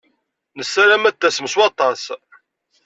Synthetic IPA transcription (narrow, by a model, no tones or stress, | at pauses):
nəsːælæmæt̪ːæsəməswɑt̪ˤɑs